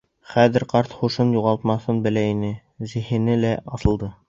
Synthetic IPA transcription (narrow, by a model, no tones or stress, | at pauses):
χæðɘ̆ɾqɑɾt̪χuʃɤnjuʁɑlˠt̪mɑθɤnbɘ̆læinɘ | zɘ̆hɘ̆nɘlæʔɑsɤ̆lˠd̪ɤ